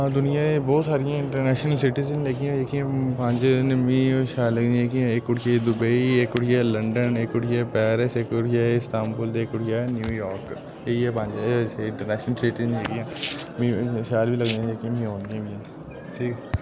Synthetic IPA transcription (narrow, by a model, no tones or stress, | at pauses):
d̪ʊnɪjãːebɔːt̪saːɾijãːɪ̃ɳʈəɾnɛːʃnəlsɪʈɪzənleːkijãːeːkiãːpãːnd͡ʒnmĩːʃaːləɡd̪ieːkiãːeːkːʊʈʰɪad̪ʊbeieːkːʊʈɪjaləɳɖəneːkʊʈijapɛːɾəseːkʊʈaɪst̪aːmkʊld̪eːkʊʈijaːnjuːjɔːɾk | eːiɛːpãːd͡ʒeseɪ̃ɳʈəɾnɛːʃnəlsɪʈɪzənleːkiãːmĩːʃaːlbʱiːlɐɡd̪ĩeːkiãmĩɦõːnd̪ɪjãːbijã | ʈʰiːkɛ